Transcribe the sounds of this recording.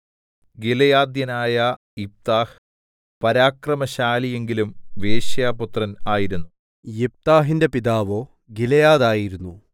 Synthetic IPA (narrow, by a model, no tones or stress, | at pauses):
ɡilɐjaːd̪jɐnaːjɐ | ip̚t̪aːh | pɐɾaːkrɐmɐɕaːlije̞ŋɡilumʋeːɕjaːput̪rɐnaːjiɾunːu | jep̚t̪aːɦinde̞piðaːʋo̞ː | ɡilɐjaːðaːjiɾunːu